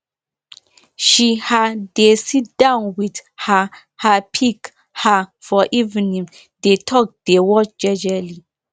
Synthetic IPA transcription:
ʃihadesit̚d̥ãʊnwidha | hapʰik | hafɔʔivnĩŋ | detʰɔk̚d̥ewɔt͡ʃd͡ʒɛd͡ʒali

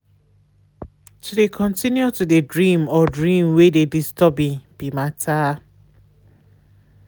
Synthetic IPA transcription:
tʰudekʰɔ̃ntinjutudedɹĩmɔdɹĩmwededistɔbĩb̥imatʰa

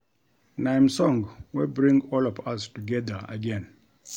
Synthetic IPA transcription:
nãɪmsɔ̃ŋwibɹĩŋɡɔlɔvastuɡɛðə˞ə̰ɡɛ̃n

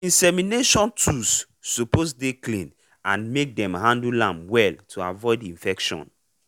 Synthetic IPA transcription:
ĩnsɛmineʃɔ̃ntʰusː | uposdeklĩn | ãnmek̚dɛ̃mhãndulãmwɛltʰua̰vɔɪdĩɱfɛkʃɔ̰̃n

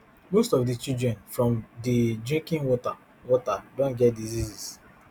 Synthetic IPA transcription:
mostɔfdit͡ʃildɹɛ̃nfɹɔ̃mdidĩŋkĩŋwɔta | wɔtadõnɡɛt̚dizizis

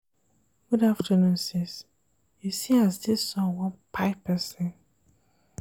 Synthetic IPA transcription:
ɡ̥udaftʰənũnsɛs | jusiasdisɔ̃wɔ̃pʰaɪpʰɛsɛ̃n

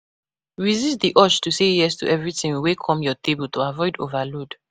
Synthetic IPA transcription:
ɹizist̚diʔɔt͡ʃtusejɛstṵʔɛvɹitĩŋwekʰɔ̃mjɔtʰebultuavɔɪdo̰valod

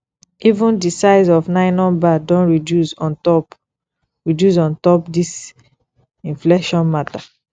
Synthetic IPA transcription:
ivũndisaɪsɔfnaɪnɔ̃badɔ̃nɹidusɔntɔp | ɹidus̬ɔ̃ntɔpdis | ĩnfleʃɔ̃nmata

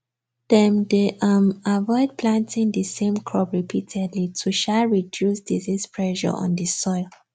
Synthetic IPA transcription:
d̥ɛ̃mdeʔamavɔɪd̚pʰlãntĩŋdəsẽmkʰɹɔbɹipʰitʰɛdlitʰuʃaɹidjusdizispʰɹɛʃɔ̰ʔɔ̰̃ndisɔɪl

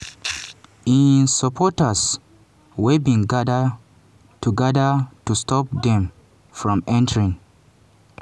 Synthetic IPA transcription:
ĩnsapʰɔtas | wɛbĩŋɡadə | tuɡɛdatustɔp̚d̪ɛ̃m | fɹɔ̃mɛ̃ntəɹĩŋ

